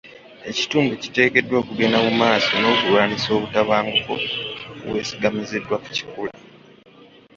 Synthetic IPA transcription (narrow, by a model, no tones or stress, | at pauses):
e̞ci̥tuːmbuci̥te̞ːke̞dːwo̞ːkuɡe̞namumaːsono̞ːkulwaːniso̞ːβutaβaːŋɡufo̰βwe̞̰ːsiɡamize̞dːwaku̥ci̥kula